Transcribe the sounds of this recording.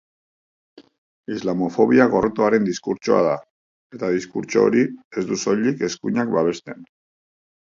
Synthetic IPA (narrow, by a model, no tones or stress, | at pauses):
izlamo̞fo̞βiaɣo̞rt̪oaɾe̞nd̪iskuɾt͡ʃo̞̰a̰ða | e̞t̪að̞iskuɾt͡ʃoo̰ɾie̞zd̪uso̞ʎike̞skuɲakbaβe̞st̪e̞n